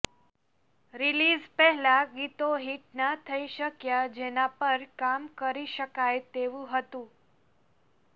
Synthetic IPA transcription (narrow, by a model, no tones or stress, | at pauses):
ɾilizpɛɦɛlaɡit̪oɦiʈnat̪ʰəiʃəkjad͡ʒenapəɾkamkəɾiʃəkajt̪eʋũɦət̪ũ